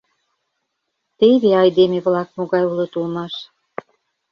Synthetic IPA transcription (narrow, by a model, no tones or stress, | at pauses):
t̪eβeɑjd̪emeβlɑk̚moɣɑjulɤ̆t̪ulmɑʃ